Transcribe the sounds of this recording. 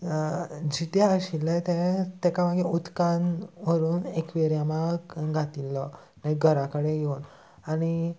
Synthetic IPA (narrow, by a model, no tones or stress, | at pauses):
d͡ʑit̪eəɕilət̪et̪ɛkaʋaɡeut̪kanʋəɾuːnekʋeɾjamaɡʱat̪ilːɔ | naiɡʱəɾakəɽeɡeun | aɽ̃i